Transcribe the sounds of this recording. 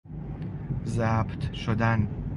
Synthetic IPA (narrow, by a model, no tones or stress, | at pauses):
zæbt̪ʰʃod̪æn